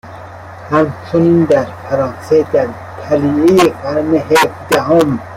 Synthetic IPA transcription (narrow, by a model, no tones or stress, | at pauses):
hæmt͡ʃʰonind̪æɾfʰæɾɑ̃ːnsed̪æɾ | t̪ʰæliijeqaɾmeɦefd̪æɦom